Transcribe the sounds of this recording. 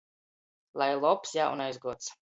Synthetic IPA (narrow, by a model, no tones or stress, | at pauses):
lˠajlˠɔpsjaːʔṵnajzɡuɔt̪s